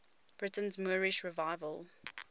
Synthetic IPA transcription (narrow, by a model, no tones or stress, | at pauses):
b̥ɹɪtə̃nzmuːɹɪʃɹɪvaɪvəlˠ